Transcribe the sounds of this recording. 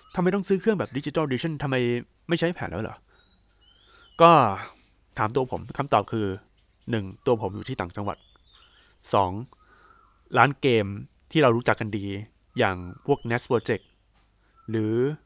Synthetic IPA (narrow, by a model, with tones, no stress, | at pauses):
t̪ʰa˧ma˧jt̪ɔ˥˩ŋsɯː˦˥kʰɯ˥˩əŋbɛː˨˩p̚di˦˥t͡ɕi˧t̪a˥˩diː˧t͡ɕʰa˥˩nt̪ʰa˧mːa˧j | ma˥˩jt͡ɕʰa˥˩jpʰɛː˨˦nlɛ̰ː˦˥wlɔ̰ː˩˦ | kɔː˥˩ | t̪ʰaː˩˦mt̪̬u˧ɐpʰo˩˦mkʰa˧˥˩mt̪ɔː˨˩p̚kʰɯː˧ | nɯ˨˩ŋt̪u˧ɐpʰo˩˦mjuː˨˩iː˥˩t̪aː˨˩ŋt͡ɕa˧ŋwa̰˨˩t̪̚ | sɔː˩˦ŋ | ɾaː˦˥nkeː˧m | t̪ʰiː˥˩ɾa˧wɾuː˦˥t͡ɕa˨˩kːa˧ndiː˧ | jaː˨˩ŋpʰu˥˩ək̚ne˦˥spɔː˧t͡ɕe˨˩k̚ | ɾɯː˩˦